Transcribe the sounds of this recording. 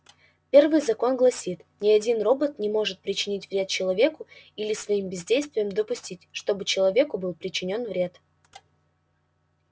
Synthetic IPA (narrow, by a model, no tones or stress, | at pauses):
pʲe̞rvɨjzɐko̞nɡlˠɐsʲit̪nʲɪɐdʲinro̞bət̪nʲɪmo̞ʐɨt̪̚pɾʲɪt͡ɕɪnʲitʲv̥ɾʲe̞t̪̚t͡ɕɪlˠɐvʲe̞kʊilʲɪsvɐimbʲɪzʲdʲejst̪vʲɪjəmd̪əpʊsʲtʲitʲʂt̪o̞bɨt͡ɕɪlˠɐvʲe̞kʊbɨlˠpɾʲɪt͡ɕɪnʲo̞nvɾʲe̞t̪